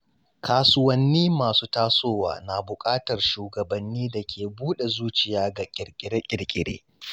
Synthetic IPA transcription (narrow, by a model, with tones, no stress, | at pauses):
kʰaː˦sʊ˦wɐ˦nːiː˦maː˨suː˦taː˦soː˦wa̰ː˨na˨bʊ˨kʼaː˦tɐ˨rʃuː˨ɡɐ˨bɐ˨nːiː˦da˨kʲʰeː˨buː˦ɗe˨zuː˦t͡ʃɪ˨jaː˦ɡa˨kʲʼɪ˨ɽkʲʼɪ˨ɽe˦kʲʼɪ˨ɽkʲʼɪ˨ɽḛː˦